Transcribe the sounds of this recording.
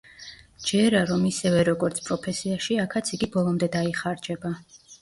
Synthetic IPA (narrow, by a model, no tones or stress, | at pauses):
d͡ʒɛɾaɾɔmisɛvɛɾɔɡɔɾt̪sʰpʼɾɔpʰɛsiaʃiakʰat̪sʰiɡibɔlˠɔmd̪ɛd̪aiχaɾd͡ʒɛba